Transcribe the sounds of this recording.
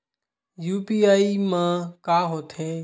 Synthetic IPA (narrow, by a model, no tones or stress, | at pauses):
juːpiːaːimãːkaːɦoːt̪ʰeː